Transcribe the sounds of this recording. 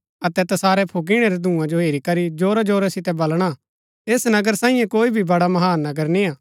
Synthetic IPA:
ɐt̪ɛt̪ɐsaːɾɛpʰoɡ̬iɽ̃ɛɾɛd̪ʱũːãd͡ʒoɦeːɾikɐɾid͡ʒoːɾad͡ʒoːɾɛsɪt̪ɛbɐlɽ̃a | eːsnɐɡəɾsãːĩːjẽkoːibʱibɐɽamɐɦaːnːɐɡəɾnĩaː

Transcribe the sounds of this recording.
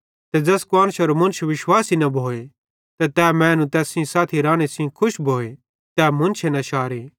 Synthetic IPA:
t̪ɛd͡ʒɐskʊaːñʃɐɾomɐ̃nt͡ʃʰeʋɪʃwaːsinɐbʱoːe | t̪ɐt̪ɛːmɛ̃ːnũt̪ɛːsĩsaːt̪ʰiɾãːɽ̃esĩkʰʊʃbʱoːe | t̪ɛːmɐ̃nt͡ʃʰenɐʃaːɾeː

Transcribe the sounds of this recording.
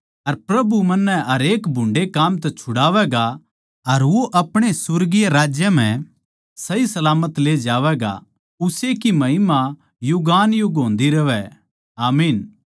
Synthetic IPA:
ɐɾpɾɐbumɐnːɛɦɐɾeːkbʱʊ̃ɳɖekaːmt̪̬ɛt͡ʃʰʊɽaːʋɛɡa | ɐɾʋoʔɐpɽ̃esʊɾɡijaɾaːd͡ʒjəm̤ɛ̃ | sɐisɐlaːmət̪leːd͡ʒaːʋɛɡa̰ | ʊsekimɐɦɪma | jʊɡaːnjʊɡõːnd̪iɾɐʋɛ | aːmiːn

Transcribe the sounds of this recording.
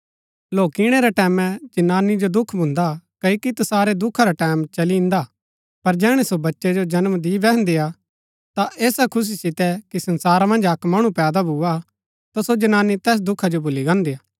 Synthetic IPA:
loːkiɽ̃ɛɾɛʈɛːmɛ̃d͡ʒɐnaːnid͡ʒod̪ʊkʰbʱʊ̃nd̪akɐikit̪ɐsaːɾed̪ʊkʰaɾaʈɛːmt͡ʃɐliɪ̃nd̪a | pɐɾd͡ʒɛːɽ̃esobɐtːʃed͡ʒod͡ʒɐnmd̪ibɛɦə̃nd̪ea | t̪aʔeːsakʰʊs̬isɪt̪ɛkisɐ̃nsaːɾamɐ̃nd͡ʒɐkmɐɽ̃ũpɛːd̪abʱuːa | t̪asod͡ʒɐnaːnːit̪ɛːs̬d̪ʊkʰad͡ʒobʱʊliɡãːnd̪ejaː

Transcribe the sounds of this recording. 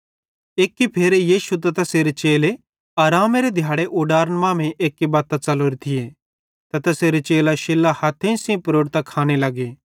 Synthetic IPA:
eːkːipʰeːɾejiːʃut̪̬ɐt̪ɐseɾet͡ʃeːle | aːɾaːmeɾed̪ʱjaːɽeʔoːɖaːɾənmãːmẽʔeːkːibaːt̪ːãt͡sɐloːɾet̪ʰɪje | t̪ɐt̪ɐseːɾet͡ʃeːlaʃɪlːahɐt̪ʰẽĩsĩpɾoːɖt̪ɐkʰaːñelɐɡeː

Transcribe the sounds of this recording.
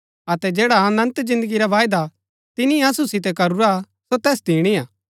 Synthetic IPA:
ɐt̪ɛd͡ʒɛːɽaɐːnɐ̃nt̪zɪ̃nd̪əɡiɾaʋaːjd̪a | t̪ɪniɐsusɪt̪ɛkɐɾuɾa | sot̪ɛːsd̪ʱiːɽ̃iaː

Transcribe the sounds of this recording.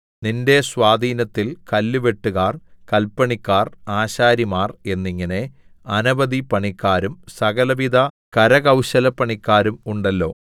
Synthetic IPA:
ninde̞swaːd̪ʱiːnɐt̪ːilkɐlːuʋe̞ʈːuɣaːrkɐlpːɐɳikːaːraːɕaːɾimaːre̞nːiŋːɐne̞ | ɐnɐbɐd̪ipɐɳikːaːɾumsɐɣɐlɐʋid̪ʱɐ | kɐɾɐɣɐwɕɐlɐpːɐɳikːaːɾumuɳɖɐlːo̞̰ː

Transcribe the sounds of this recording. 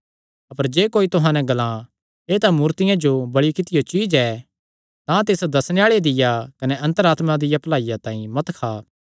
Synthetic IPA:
ɐpəɾd͡ʒeːkoːit̪ʊɦãːnɛ̃ɡɐlã | eːt̪ãmuːɾt̪ɪjãd͡ʒobɐɽikɪt̪ɪjot͡ʃiːd͡ʒɛ | t̪ãt̪ɪsd̪ɐsneaːɭed̪ɪjakɐnɛʔɐ̃nt̪əɾaːt̪mad̪ɪjaplaːijat̪ãːĩmɐt̪kʰaː

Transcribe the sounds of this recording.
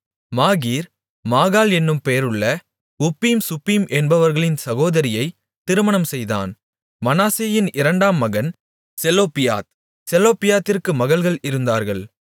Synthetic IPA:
maːɣiːɾ | maːɣaːlɛnːɯmpejɾɯɭːɐ | ʊpːiːmsʊpːɾiːmʔɛnbɐʋɐɾɣɐɭɪnsɐɣoːðɐɾɪjɐɪ | t̪ɪɾɯmɐnɐmsɛjða̰ːn | mɐnaːseːjɪnʔɪɾɐɳɖaːmːɐɣɐn | sɛloːpɪja̰ːt̪ | sɛloːpɪjaːt̪ːɪrkɯmɐɣɐɭɣɐɭɪɾɯnd̪aːɾɣɐɭ

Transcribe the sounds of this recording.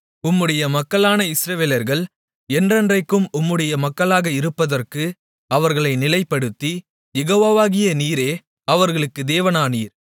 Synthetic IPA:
ʊmːɯɽɐjɐmɐkːɐɭaːnɐɪsɪɾɐʋeːlɐɾɣɐɭ | ɛndrɐndrɐɪkːɯmʊmːɯɽɐjɐmɐkːɐɭaːɣɐɪɾɯpːɐðɐrkɯ | ɐʋɐɾɣɐɭɐɪnɪlɐɪpːɐɽɯt̪ːi | jɛɣoːʋoːʋaːɣɪjɐniːɾeː | ɐʋɐɾɣɐɭɯkːɯd̪eːʋɐnaːniːɾ

